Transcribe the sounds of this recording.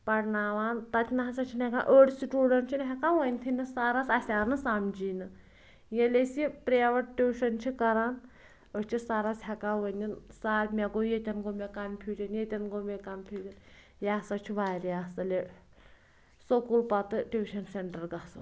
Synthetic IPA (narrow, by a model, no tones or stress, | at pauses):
pɐʈnaːʋaːnt̪ɐt̪ʰʲinɐɦɐsɐt͡ʃʰinɛkanʔəɽʲsiʈuːɖɐnʈt͡ʃʰinɦʲɛkaʋənʲt̪ʰinɨsaːɾasɐsʲaːnɨsamd͡ʒiːnɨ | jelʲesʲipɾeːʋɐʈ̚ʈʲuːʃɐnt͡ʃʰikɐɾaːn | ət͡ʃʰisaɾasɦʲɛkaːʋənʲinsaːɾʲmʲɛɡojet̪ʲɐnɡomʲekɐmpʲʰuːd͡ʒʲɐnjet̪ʲɐnɡomekɐmpʲʰuːd͡ʒ̪ʲɐn | jasɐt͡ʃʰiʋaːɾijaːsɐle | sokulpɐt̪ɨʈʲuːʃɐnseɳʈɐɾɡɐsɨ̰